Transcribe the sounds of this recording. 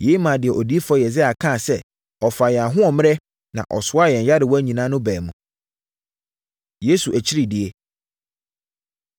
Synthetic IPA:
je˦mã˨dɪ˨ɛ˨ʔɔ˨di˦e˦fɔ˦˨jɛ˨zɪ˦a˨kʰã˦˨sɛ˦ | ɔ˨fa˨jɛ˨a˨ɦʊ̃˦ɔ˨mɪ̃˦ɾɛ˦ | nã̰˨ʔɔ˨sʊ˦a˦jɛ̃˨ɲ˨ja˦dɪ˨wɔ˦æ˦ɲĩ˨nã˦nʊ̃˦bɛː˨mũ˨ | je˦su˨ʔæ˨t͡ɕʰi˦ɾi˦˨dɪ˨e˦

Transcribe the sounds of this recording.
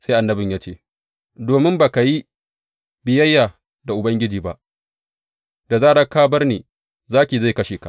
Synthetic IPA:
sa˦jʔa˨nːɐ˦bɪ˨ɲjaː˦t͡ʃeː˦˨ | doː˨mɪ˦mbaː˨ka˨ji˦ | bɪ˨jɐ˦jːaː˨ | da˨ʔʊ˨bɐ˦ŋɡʲɪ˦d͡ʒiː˨ba˦ʔ | d̥a˨zaː˦˨ɽɐ˦kːaː˦bɐ˦rneː˨ | zaː˦kʲiː˨za˦˨jkɐ˦ʃeː˨ka˨ʔ

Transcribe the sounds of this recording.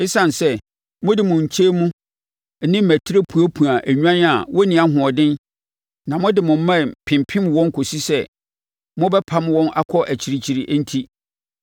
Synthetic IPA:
e˦sã˨n˨sɛ˦ | mʊ̃˦dɪ˨mʊ̃˨ɲ̩˨t͡ɕʰe˦mũ˦˨˦ | nɪ̃˦m̩˦mæ˨tʰi˦ɾe˦pʰu˨æ˦pʰũ˨a˨ʔæ˨ɲᶣu˦ã˦na˨wɔ˦nĩ˨a˦ɦʊ̃˨ɔ˨dɪ̃˦n | nã˨mʊ̃˦dɪ˨mʊ̃˨m̩˦mã˦˨pʰɪ̃˨mpʰɪ̃˦mwɔ̃˦ŋ˦kʰo˨si˦sɛ˦ | mʊ̃˦bɛ˦pʰa˦m˦wɔ̃˦nʔa̰˦kʰɔ˦ʔæ˨t͡ɕʰi˨ɾi˨t͡ɕʰi˨ɾi˨ʔn̩˦tʰi˦

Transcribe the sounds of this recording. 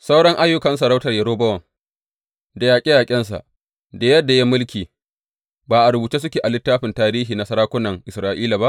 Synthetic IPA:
sa˦wɽɐ˦ŋʔa˦jːʊ˦kɐ˨ns̬ɐ˨ɽa˦wtɐ˨rjɐ˨ɾoː˦bɐ˦wɐ˨ŋ | da˨jaː˨kʲʼi˦jaː˨kʲʼɪ˦nsa̰˨ʔ | da˨jɐ˦dːa˨ja˦mʊ˦lkʲiː˨ | baː˨ʔa˨ɾʊ˨buː˨t͡ʃeː˦s̬ʊ˦kʲeː˨ʔa˨lɪ˦tːaː˦ɸɪ˨ntaː˦ɾiː˦ɦiː˨na˨sɐ˦ɾaː˦kʷʊ˦nɐ˨ŋʔɪ˨sɾaː˦˨ʔiː˦la˨ba˦ʔ

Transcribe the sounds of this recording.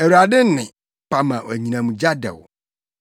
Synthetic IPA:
ɛ˨wu˨ɾa˨dɪ˦n˦nɪ̃˨ | pa˨mã˨wæ˨ɲĩ˨nã˨mũ˨d͡ʑa˦dɛ̰˨w

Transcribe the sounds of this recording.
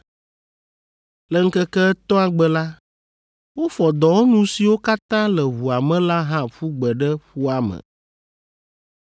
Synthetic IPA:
lɛ˦ŋ̩˦kɛ˦kɛ˦ɛ˦t̪ɔ̃˦a˨ɡ͡bɛ˦la˦ | wo˦fɔ˨d̪ɔ˨wo˦nũ˦si˨wo˦ka˦t̪ã˦lɛ˨ɦu˨a˨mɛ̃˦la˦ɦã˦ɸu˦ɡ͡bɛ˨ɖɛ˦ɸu˦a˦mə̰˨

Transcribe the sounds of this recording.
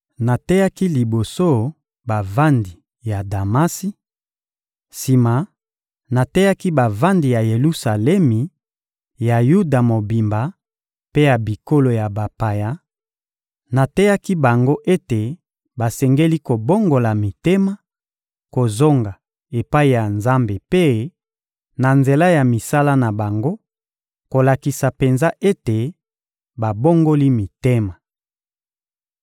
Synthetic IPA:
na˨tɛ˦ja˦ki˦li˨bo˨so˦˨ | ba˨va˦ndi˨ | ja˨da˨ma˦si˦ | si˨ma˨ | na˨tɛ˦ja˦ki˦ba˨va˦ndi˨ja˨je˨lu˦sa˨lɛ˦mi˨ | ja˨ju˦da˨mo˨bi˨mba˨ | pe˦ja˨bi˨ko˦lo˨ja˨ba˨pa˨ja˦ | na˨tɛ˦ja˦ki˦ba˨ŋɡo˦ʔe˦te˨ | ba˨sɛ˨ŋɡe˦li˦ko˨bo˦ŋɡo˨la˨mi˨te˦ma˨ | ko˨zo˦ŋɡa˨ | e˨pa˦i˨ja˨nza˦mbe˨pe˦ | na˨nze˨la˦ja˨mi˨sa˦la˦na˨ba˨ŋɡo˦ | ko˨la˨ki˨sa˨pe˨nza˦ʔe˦te˨ | ba˨bo˦ŋɡo˦li˦mi˨te˦ma˨

